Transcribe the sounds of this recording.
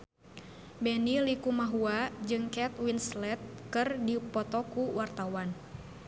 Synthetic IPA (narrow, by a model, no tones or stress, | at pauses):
bɛnilikumaɦuad͡ʒɨŋkɛt̪winslɛt̪̚kɨrdipɔt̪ɔkuwart̪awan